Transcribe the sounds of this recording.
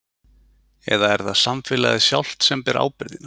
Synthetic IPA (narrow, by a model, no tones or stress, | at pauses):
ɛ̰ðaɛɾθaðsamfɪla̰ðɪsjawl̥t̪sɛmpɛɾʔa̰ːwpɪɾðɪna